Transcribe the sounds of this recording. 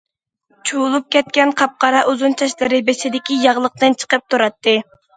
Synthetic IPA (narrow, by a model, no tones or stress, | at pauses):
t͡ʃʰulˠup̚kʲɛt̪̚kʲɛnqʰɑp̚qɑɾɑʔuzunt͡ʃʰɑʃlˠɨɾɪbeʃɪd̪ɪkʲijɑʁlˠəq̚t̪ɨnt͡ʃʰə̥qəp̚t̪ʰuɾɑt̪ːɨ